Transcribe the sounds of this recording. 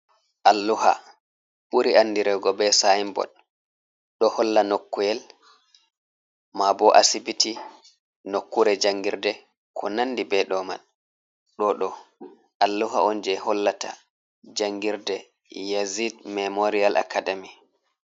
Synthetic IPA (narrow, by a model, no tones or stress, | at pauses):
ʔalːuha̰ | ɓuɾianːdiɾɛɡɔbɛsajimbɔ̰ɗ | ɗɔhɔlːanokːujɛl | mabɔʔa̰sibiti | nokːuɾɛd͡ʒaŋɡiɾdɛ | kʰɔnanːdibɛɗɔma̰n | ɗɔɗɔ | ʔalːuɦa̰ɔnd͡ʒɛhɔlːatʰa̰ | d͡ʒaŋɡiɾdɛ | jazidmɛmoɾialʔa̰kadami